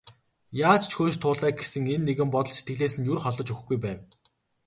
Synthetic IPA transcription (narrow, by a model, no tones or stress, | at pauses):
jaːt͡ɕt͡ɕxoːʃt̪ʰʊːɮæːk̚ɡesɘ̆ŋenːeɣɘ̆mpɔt̪ɞ̆ɮsi̥t̪ɡɘ̆ɮeːsɘ̆njurχɔɮɞ̆t͡ɕɵx̆ɡujpæːw